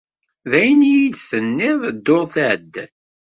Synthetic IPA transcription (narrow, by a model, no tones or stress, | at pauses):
ðæjnijid̪θənːɪðˤəd̪ːoʁθəd̪ː